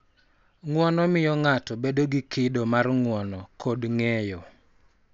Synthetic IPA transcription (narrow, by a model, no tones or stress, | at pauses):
ŋwɔnɔmɪjɔŋatɔbedoɡikɪdomarŋwɔnɔkʰodŋɛjɔ